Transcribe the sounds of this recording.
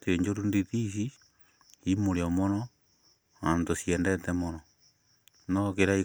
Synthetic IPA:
teɲd͡ʒoɾunditis̬i | imoɾeomonɔ | antosiɛndɛtɛmonɔ | nokeɾai

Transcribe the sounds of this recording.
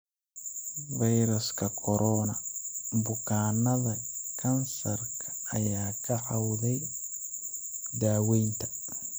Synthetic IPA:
vɐjɾʊskʰɐkʰɔɾʔɔːnɐmbʊkʰaːnːɐðɐkʰɐnsɐrkʰɐ̥ɐjaːkʰɐħawðɛj | d̪aːwɛjnt̪ʰɐ̥

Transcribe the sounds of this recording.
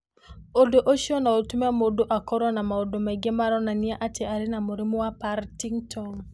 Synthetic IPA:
odoʔoʃjɔnaotumamodoʔakɔɾɔnamaodomɛɡemaɾɔnanɪaʔat͡ʃɛaɾɪnamoɾimoapaɾtiŋtʰɔŋ

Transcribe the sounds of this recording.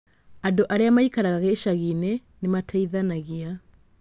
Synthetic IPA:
andoʔaɾeamaikaɾaɣaɣeʃaɣine | nematʰaiðanaɣia

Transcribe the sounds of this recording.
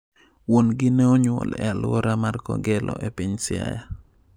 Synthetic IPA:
wonɡɪnɛoɲwɔ̰lɛ̰alwɔɾamarkɔɡɛlʔɔ̰ʔɛpɪɲsɪa̰ja

